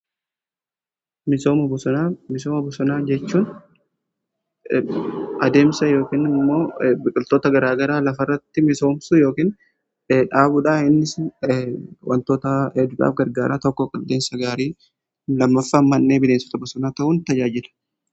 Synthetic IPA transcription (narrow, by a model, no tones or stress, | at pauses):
mɪsoːmɐbʊsʊamɪsoːmɐbʊsʊnaːd͡ʒɛt͡ʃːuːn | ʔɐd̪e̞ːmsɐjo̞ːkiːnɪmːo̞ːbɪkʼɪlt̪oːt̪ɐɡɐɾaːɡɐɾaːlɐfɐrːɐt̪ːɪmɪso̞ːmsʊjo̞ːkiːn | ᶑaːbʊᶑaːɪnːɪs | wʔɐ̰nt̪oːt̪ɐɛd̪ʊᶑa̰ːfɡɐɾɡaːɾaːt̪ɔkːɔkʼɪld̪e̞ːnsɐɡaːɾiː | lɐmːɐfːamːɐnːeːbɪleːsɔ̥t̪ɐbʊsʊnaːt̪ɐhuːnt̪ɐd͡ʒaːd͡ʒɪlɐ̥